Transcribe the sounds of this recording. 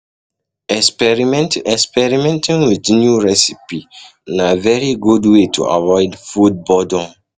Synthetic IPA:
ɛspɛɹimɛ̃tɛkspɛɹimɛ̃ntĩnwitnjuɹɛsipi | navɛɹiɡudwetʰṵʔa̰vɔɪdfud̚bɔdɔ̃

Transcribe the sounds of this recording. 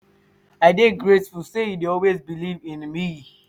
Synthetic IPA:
aɪdeɡɹetfulsejudeɔlˠwezbilivĩnmi

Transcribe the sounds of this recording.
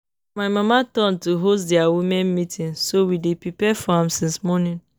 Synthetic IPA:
maɪmamatɔ̃ntuɦos̬dɛawimɛ̃nmitĩnsowidepipɛfɔãmsĩnsmɔnĩn

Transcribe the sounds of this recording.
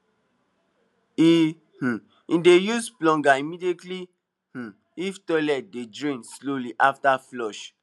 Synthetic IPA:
i | h̩ | ĩndejusplɔ̃ŋɡaimidietli | h̩ | iftɔlɛt̚dedɹĩnsloliʔaftaflɔʃ

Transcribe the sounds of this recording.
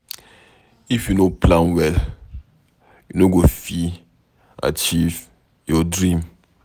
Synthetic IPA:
ifjunoplãnwɛl | junoɡofi | a̰t͡ʃiv | jɔdɹĩm

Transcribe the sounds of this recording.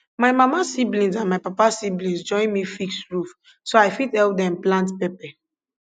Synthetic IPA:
maɪmamasiblĩns̬ãnmaɪpapasiblĩnsd͡ʒɔ̃ɪ̃nmifiksɹuf | soaɪfitɛlpdɛ̃mplãntpɛpɛ

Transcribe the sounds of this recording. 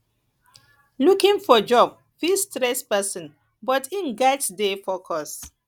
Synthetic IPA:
lukĩŋfɔd͡ʒɔb̚ | fistɾɛspɛsɔ̃n | bɔtĩnɡatdefɔkʰɔs

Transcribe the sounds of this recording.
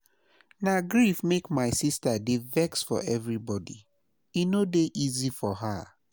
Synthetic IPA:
naɡɹifmekmaɪsistadevɛksfɔ̰ʔɛvɹibɔdḭ | inodeʔizifɔɦa

